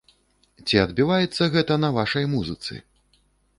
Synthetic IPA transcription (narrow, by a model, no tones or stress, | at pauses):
t͡sʲiɐd̪bʲivajɛt̪sːɐɣɛt̪ɐnɐvaʂɐjmuzɨt̪sɨ̰